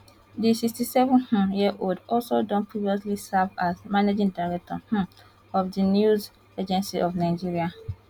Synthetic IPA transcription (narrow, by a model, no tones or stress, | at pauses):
disikstisɛvɔ̃nh̩jiʔoldɔlsodɔ̃npʰɹiviɔs̬lisavazmanad͡ʒĩŋdaɪɹɛk̚tɔ̰h̩ | ɔfdinjuz | ed͡ʒɛ̃nsiʔɔvnaɪd͡ʒiɹia